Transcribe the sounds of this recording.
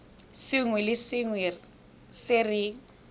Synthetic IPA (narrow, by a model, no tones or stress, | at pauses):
sɪŋwɛlɪsɪŋwɛ | sɪrɪ